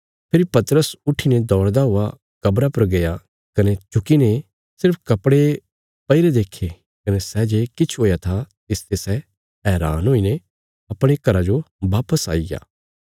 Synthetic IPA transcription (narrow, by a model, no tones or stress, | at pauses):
pʰɪɾipɐt̪əɾəsʊʈʰːined̪ɔːɾd̪aɦʊa | kɐbɾapɐɾɡɐja | kɐnet͡ʃʊkine | sɪɾpʰkɐpɽe | pɐɪɾed̪eːkʰːe | kɐnɛsɛd͡ʒeːkɪt͡ʃʰɦoːjat̪ʰat̪ɪst̪esɛ | ɦɛːɾa̰ːnɦoːine | ɐpɽ̃ekɐɾad͡ʒoʋaːpəsa̰ːiɡa̰ː